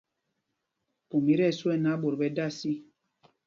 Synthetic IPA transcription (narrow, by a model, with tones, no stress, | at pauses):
pu˨mi˦ɾɛ˦˨swɛ˦˨na˨˦bo˨ɾbɛ˨˦da˦˨si˦